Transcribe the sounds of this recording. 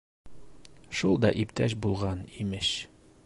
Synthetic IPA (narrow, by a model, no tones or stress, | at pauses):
ʃulˠd̪ɒʔipt̪æɕ̬bulˠʁɑnimɘʃ